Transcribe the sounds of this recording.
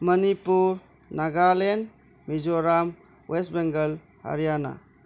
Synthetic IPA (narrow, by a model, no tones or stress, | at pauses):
mɐnipuɾ | naɡalen | mid͡ʒɔɾam | westbeŋɡəl | ha̰ɾjana̰